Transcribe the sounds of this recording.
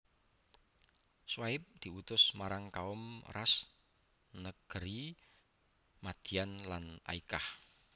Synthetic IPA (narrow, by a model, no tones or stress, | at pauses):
swaɪp̚d̪̥i̤ut̪ʊsmaɾaŋkaʊmra̰s | nəɡ̥əɾi | mad̪̥i̤anlana̰ikah